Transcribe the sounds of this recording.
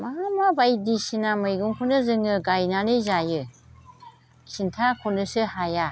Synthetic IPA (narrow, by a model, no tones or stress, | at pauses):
maɦamabajdisinamɯjɡuŋkʰunɯzɯŋɯɡajnanɯzajɯ | kʰintʰakʰundɯsɯhaja